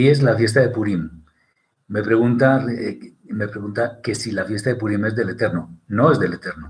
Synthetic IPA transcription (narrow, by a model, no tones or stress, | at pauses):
ie̞zlafje̞st̪aðe̞puɾimː | e̞pɾe̞ɣ̞unt̪ar | me̞pɾeɣunt̪ake̞silafje̞st̪aðepuɾime̞zðe̞le̞t̪e̞ɾnono̞e̞zðe̞le̞t̪e̞ɾno